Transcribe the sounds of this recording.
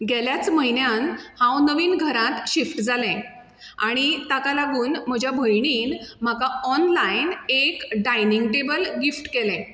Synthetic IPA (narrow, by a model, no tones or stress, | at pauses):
ɡɛljat͡sməɦinjanhãwnəʋiːnɡʱəɾãt̪ɕifʈd͡zʱalɛ̃ | aɽ̃it̪akalaɡuːnm̤əd͡ʑʱjabʱəjɳiːnm̤akaɔnlainekɖajniŋɡʈebəlɡifʈkelɛ̃